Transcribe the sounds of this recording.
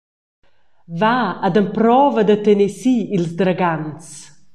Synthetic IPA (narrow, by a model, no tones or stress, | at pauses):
vaad̪əmpɾɔvəd̪ət̪enesiilzd̪ɾaɡanst͡s